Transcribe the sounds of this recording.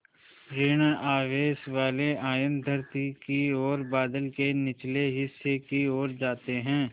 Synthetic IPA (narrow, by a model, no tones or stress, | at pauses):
ɾɪːɽ̃aːʋeːsʋaːleaːjə̃nd̪ʱɐɾt̪ikioːɾbaːd̪əlkenɪt͡ʃleɦɪsːekioːɾd͡ʒaːt̪eɦɛ̃ː